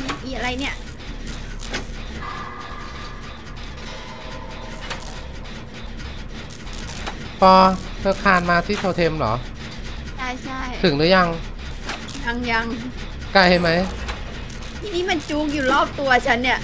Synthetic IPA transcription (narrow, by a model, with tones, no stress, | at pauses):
miː˧˩ʔa˧ɾa˧jni˥˩ɐʔ | pɔː˧ | t̪ʰɤː˧kʰaː˧nmaː˧t̪ʰiː˥˩t̪ʰoː˧t̪ʰe˧mlɔ̰ː˩˦ | t͡ɕʰa˥˩jt͡ɕʰa˥˩jt̪ʰɯ˨˩˦ŋdɯ˦˥ja˧ŋ | ja˧ŋja˧ŋ | ka˧˩jha˥˩jma˦˥j | tt̪ʰiː˧niː˦˥ma˧nt͡ɕuː˧k̬̚juː˨˩lɔː˥˩p̚t̪u˧ɐt͡ɕʰa˦˥nːi˥˩ɐʔ